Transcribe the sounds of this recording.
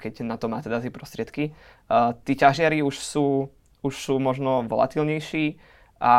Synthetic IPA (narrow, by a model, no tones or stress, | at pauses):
kɛɟnat̪ɔmaːt̪ɛd̪azɛpɾɔst̪ɾɪɛt̪ki | t̪iːcaʒɪaɾiuʃsuː | uʃsuːmɔʒnɔʋɔla̰t̪ilɲɛjʃiː | ʔa